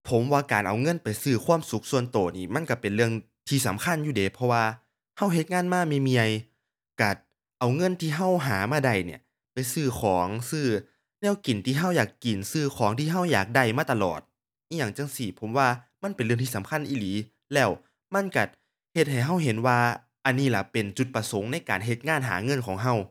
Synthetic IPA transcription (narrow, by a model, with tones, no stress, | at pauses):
pʰo˨˦mwaː˧˩kaː˨˩nʔa˨˩wŋɤ˧˥˨npa˨˩jsɯː˧˩kʰwuː˧˥ə˨msu˧˦k̚su˧ənt̪oː˨˩niː˧˩ma˧˥˨nka˧˩pe˨nlɯ˧əŋ | t̪ʰiː˧˩sa˨˦mkʰa˧˥˨njuː˧deː˨˦pʰɔ˧waː˧ | ha˧˥˩wɦe˧t̪̚ŋaː˧˥˨nmaː˧˥˨miː˧˨mi˧a˧j | ka˧˩ | ʔa˨˩wŋɤ˧˥˨nt̪ʰiː˧˨ɦa˧˥˩wɦaː˨˦maː˧˥˩da˧˩jnḭ˧˩ɐ | pa˨˩jsɯː˧˩kʰɔː˨˦ŋsɯː˧˩ | nɛː˧˥˨wki˨˩nt̪ʰiː˧˨ɦa˧˥˩wjaː˨˩kːi˨˩nsɯː˧˩kʰɔː˨˦ŋt̪ʰiː˧ɦa˧˥˩wjaː˨˩k̚da˧˩jmaː˧˥˩t̪a˧lɔ̰ː˨˩t̪̚ː | jaː˨˩ŋt͡ɕa˧ŋsi˧˩pʰo˨˦mwaː˧ma˧˥˨npe˨nlɯ˧˩əŋt̪ʰiː˧˨sa˨˦mkʰa˧˥˨nʔiː˧˩liː˨˦ | lɛː˧˩w | ma˧˥˨nka˧˩ | he˧t̪̚ha˨˩jɦa˧˥˩wɦe˨˦nwaː˧ | ʔa˨nːiː˧˩la˧˩pe˨˩nt͡ɕu˧˦t̪̚pa˧so˨˦ŋna˧˥˩jkaː˨˩nɦe˧˦t̪̚ŋaː˧˥˨nɦa̰ː˩˦ŋɤ˧˥˨nkʰɔː˩˦ŋɦa˧˩w